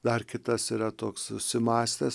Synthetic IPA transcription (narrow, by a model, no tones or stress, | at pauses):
d̪ɐɾkʲɪt̪ɐsiɾɐt̪oːksʊsʲɪmɑːsʲt̪ʲɛs